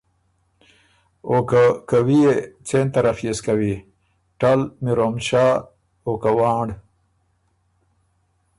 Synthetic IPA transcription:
okakawijet͡sent̪aɾafjeskawi | ʈalmiɾomɕa | okawaːɳɖ

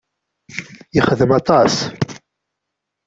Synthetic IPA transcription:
jəχðəmɑt̪ˤɑs

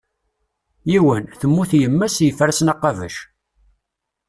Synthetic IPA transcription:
iwənθəmːuθjəmːæsjəfɾæsnɑqːɑvə̰ʃ

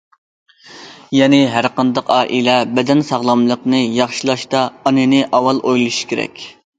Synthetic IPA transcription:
jɛnɪɦæɾqənd̪əqɑːʔilɛbɛd̪ɛnsɑʁlˠɑmlˠəqnɨjɑχʃilˠɑʃt̪ɑːnɨnɨʔɑwɑlˠʔojlˠuʃi̥kʲʰeɾɛ̰kʲ

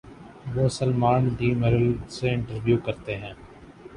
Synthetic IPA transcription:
ʋoːsəlmaːnɖiːmeɾəlseɪ̃ɳʈəɾʋjuːkəɾt̪eɦɛ̃ː

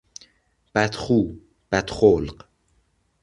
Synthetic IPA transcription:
b̥æt̪χuː | b̥æt̪χoːlq

